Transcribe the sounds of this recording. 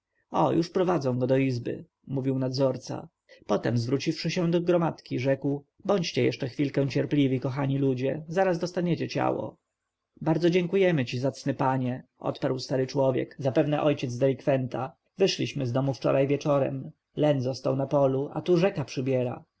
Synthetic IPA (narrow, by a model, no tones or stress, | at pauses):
ɔ̰juʂpɾɔvad̪zɔ̃w̃ɡɔd̪ɔizbɘ̰ | muvʲiwnad̪zɔɾt̪sa̰ | pɔt̪ɛmzvɾut͡ɕifʂɘɕɛ̃d̪ɔɡɾɔmat̪kʲiʐɛkw | bɔɲt͡ɕt͡ɕɛjɛ̰ʂt͡ʂɛxfʲilkɛ̃t͡ɕɛɾplʲivʲikɔxaɲilud͡ʑɛzaɾazd̪ɔst̪aɲɛt͡ɕɛt͡ɕa̰wɔ̰ | baɾd̪zɔd͡ʑeŋkujɛmɘt͡ɕizat̪snɘpaɲɛʔɔ̰t̪paɾwst̪aɾɘt͡ʂwɔvʲjɛ̰kzapɛvnɛʔɔjt͡ɕɛd̪zd̪ɛlʲikfɛnt̪a | vɘʂlʲiɕmɘzd̪ɔmuft͡ʂɔ̰ɾʔajvʲɛt͡ʂɔɾɛ̰m | lɛnzɔst̪awnapɔlua̰t̪uʐɛkapʂɘbʲjɛɾa̰